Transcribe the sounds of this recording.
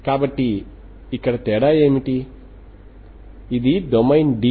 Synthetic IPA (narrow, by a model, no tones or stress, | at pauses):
kaːbɐʈːiː | kːɐɽɐt̪ɛːɽaːjeːmiʈi | id̪id̪omɐjnɖi